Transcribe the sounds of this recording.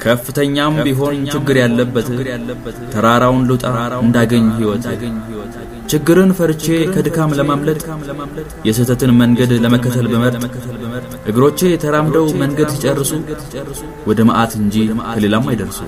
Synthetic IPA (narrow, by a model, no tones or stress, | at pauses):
kʰəfːɨt̪ʰəɲːambiɦo̞nt͡ʃɪɡːɨɾjalːəbːət̪ː | t̪ʰəɾaɾawnlut̪ʼaɨnd̪aɡəɲːɦiwɔt̪al | t͡ʃɪɡːɨɾɨnfəɾt͡ʃe̞kʰəd̪ɨkʰamləmamlət̪ʼəam | jɛsɨt̪ʰət̪ɨnməŋɡəd̪ləməkːət̪ʰəlbəməɾtʼl | hɨɡɨɾo̞t͡ʃːejɛt̪ʰəɾamd̪əwməŋɡəd̪sit͡ʃʼərːɨsu | r | wɔd̪əməʔat̪ɨnd͡ʒikʰəle̞lamːajd̪əɾsṵ